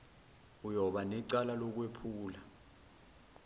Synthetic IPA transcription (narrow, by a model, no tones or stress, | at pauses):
ujɔɓanɛǀalalɔk̬wepʰuːla